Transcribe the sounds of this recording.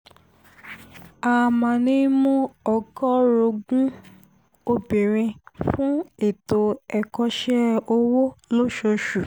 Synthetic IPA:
a˧mã˧˨nĩ˦mũ˦ɔ˧kɔ˦ɾo˧ɡũ˦ | o˧bi˨ɾ̃ĩ˧fũ˦e˨to˧ɛ˨kɔ˧ʃɛ˦o˧wo˦lo˦ʃo˧ʃu˨

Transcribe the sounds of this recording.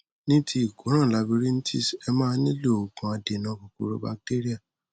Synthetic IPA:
nĩ˦tʰi˦i˦˨ɡo˨˦ɾ̃ã˦˨la˧bi˧ɾi˦n̩˦ti˦˨sɛ˧mãː˦nĩ˦lo˦˨o˨ɡũ˨a˧de˨nã˨˦ko˨ku˨ɾo̰˦ba˦˧k̚te˦ɾi˦a˦˨

